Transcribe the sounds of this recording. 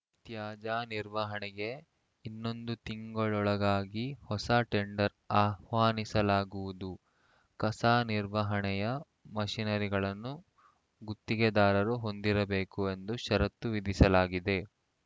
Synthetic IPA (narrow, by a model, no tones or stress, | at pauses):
t̪jaːd͡ʒaːniɾʋɐɦɐɳɛɡe̞ | inːo̞nd̪ut̪iŋɡɐɭɔɭɐɡaːɡihɔsaʈeɳɖɐɾ | aːhʋaːnisɐlaːɡuʋud̪u | kɐsaːniɾʋɐɦɐɳɛjɐ | mɐʃinɐɾiɡɐɭɐnːu | ɡut̪ːiɡed̪aːɾɐɾuɦo̞nd̪iɾɐbe̞ːkue̞nd̪uʃɐɾɐt̪ːuʋid̪ʱisɐlaːɡid̪e̞